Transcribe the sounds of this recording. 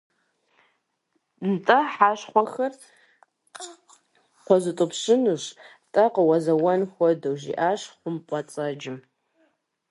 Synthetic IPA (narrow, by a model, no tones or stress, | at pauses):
ntʼɐħaʃχʷɐxɐr | qʷɔzɨtʼʊpʰɕɪnuʃ | tʼɐqʼɐwɐzɐwɐnxʷɔdɐwʒḭʔaːʃχʷʊmpʼɐt͡sʼɐd͡ʒɪm